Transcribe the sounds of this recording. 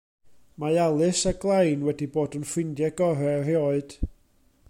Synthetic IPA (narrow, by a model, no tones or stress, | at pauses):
majalˠɨsaɡlˠajnwɛdiboːdənfwɪndjɛɡɔrɛreɔɨd̥